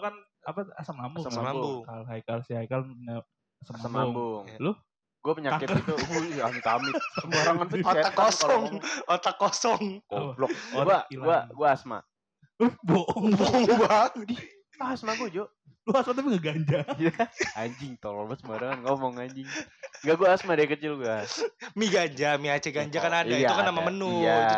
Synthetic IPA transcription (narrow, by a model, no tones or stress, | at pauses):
kan | apaa̰saŋlambʊŋabkalɦajkalsiajkalna | asamamlbaʊŋbʊŋlʊ | ɡuapəɲakaɪtkəit̪uamit̪amɪamoɾaŋant̪aaaɔsaɔŋot̪akːosɔŋkblɔoɾuaakilauaɡuaasma̰ | boʔŋboŋbadi | aasmaɡuad͡ʒo | ɡuasmat̪̬ap̬iŋɡaɡaɲd͡ʒajaaɲd͡ʒɪŋt̪olɔbasəmuaɾaŋanŋamɔŋaɲd͡ʒɪŋŋɡaɡuaːsmadajkət͡ʃɪlɡuamiɡaɲd͡ʒamiat͡ʃaɡaɲd͡ʒakanadait̪ukanːamamənʊa